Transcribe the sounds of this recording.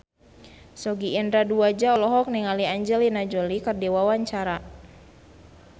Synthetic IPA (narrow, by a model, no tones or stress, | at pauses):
sɔɡiːndɾaduad͡ʒaɔlɔɦɔk̚niŋaliaɲd͡ʒɛlinad͡ʒɔlikərdiwawaɲt͡ʃaɾa